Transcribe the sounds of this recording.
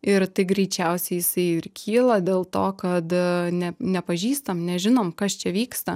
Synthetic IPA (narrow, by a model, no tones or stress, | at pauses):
ɪɾt̪ɐɪɡɾʲɛɪt͡ʃʲɛʊsʲɛɪjɪsɐɪɪɾkʲʰiːlˠɐd̪ʲeːlˠt̪oːkɐt̪nʲɛnʲɛpɐʒʲiːst̪ɐmnʲɛʒʲɪnoːmkɐst͡ʃʲɛʋʲiːkst̪ɐ